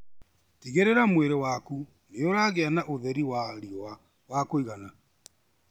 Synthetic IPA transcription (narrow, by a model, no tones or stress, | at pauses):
tiɣeɾeɾamweɾewaku | neoɾaɣeanaʔoðɛɾiwaɾiwa | wakoiɣana